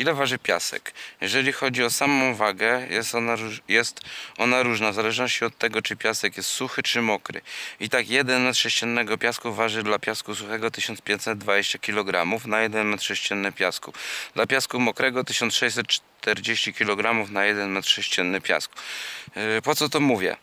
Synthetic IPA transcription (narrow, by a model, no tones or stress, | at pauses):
ilɛvaʐɘpʲja̰sɛ̰kjɛʐɛlʲixɔd͡ʑiɔsamɔ̃w̃vaɡɛjɛsajɛst̪ɔnaɾuʐnavzalɛʐnɔɕt͡ɕiɔt̪ːɛɡɔt͡ʂɘpʲjasɛkjɛst̪suxɘt͡ʂɘmɔkɾɘ̰it̪akjɛd̪ɛnmɛt̪ʂɛɕt͡ɕɛnːɛɡɔpʲjaskuvaʐɘd̪lapʲjaskusuxɛɡɔt̪ɘɕɔnspʲjẽɲt̪sɛd̪̚d̪vad͡ʑeɕt͡ɕakʲilɔɡɾamufnajɛd̪ɛnmɛt̪ʂɛɕt͡ɕɛnːɘpʲjaskud̪lapʲjaskumɔkɾɛɡɔt̪ɘɕɔnt̪sʂɛjsɛt̪̚t͡ʂt̪ɛɾd͡ʑeɕt͡ɕikʲilɔɡɾamufnajɛd̪ɛnmɛt̪ʂɛɕt͡ɕɛnːɘpʲja̰sku̥ | pɔt̪sɔt̪ɔmuvʲjɛ̰